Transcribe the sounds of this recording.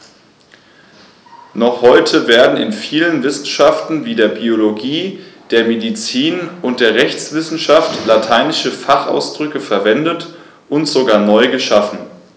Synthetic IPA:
nɔχhɔʏtʰəveːɐdn̩ɪ̰nfiːlənvɪsn̩ʃaftn̩viːdeːɐbioloɡiːd̥eːɐmedit͡siːnʊnt̚d̥eːɐʁɛçt͡sv̥ɪsn̩ʃaftlatʰaɪnɪʃəfaχʔa̰ʊsd̥ʁʏkəfɛɐvɛndət | ʔʊntz̥oɡaːɐnɔʏɡəʃafn̩

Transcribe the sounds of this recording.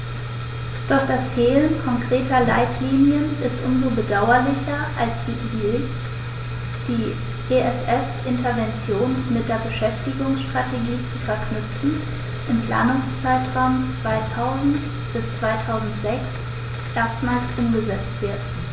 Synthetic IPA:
d̥ɔɐçd̥asfeːlənkʰɔŋkʁ̥eːtʰɐlaɪtʰliːnjənɪstʔʊmzobədaʊɐlɪçɐʔalsd̥ | d̥i̥ː | eʔɛsʔɛfʔɪntɐvɛnt͡sjoːnmɪt̚d̥eːɐbəʃɛftɪɡʊŋsʃtʁ̥atʰeɡiːt͡sufɛɐkʰnʏp͡fn̩ | ʔɪmpʰl̥a̰ːnʊŋst͡saɪtʁ̥aʊmt͡sv̥aɪtʰaʊzn̩t | b̥ɪst͡sv̥aɪtʰaʊzn̩tz̥ɛks | ʔeːɐstmaːlsʔʊmɡəzɛt͡stv̥ɪɐt

